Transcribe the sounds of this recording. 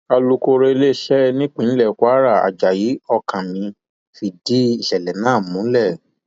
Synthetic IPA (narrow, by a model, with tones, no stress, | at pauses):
a˧lu˧ko˧ɾe˧le˦ʃɛ˦nĩ˦k͡pĩ˨˦n̩˦lɛ˦˨kʷa˦ɾa˦˨a̰˨d͡ʒa˨ji˨˦ɔ˧kã˨nĩ˨˧ | fi˧di˦i˦˨ʃɛ˨lɛ˨nãː˦˨mũ˨˦lɛ˦˨